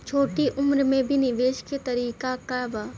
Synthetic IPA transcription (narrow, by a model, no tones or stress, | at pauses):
t͡ʃʰoːʈiʔʊmɾmẽbʱinɪʋeːʃket̪ɐɾiːkakabaː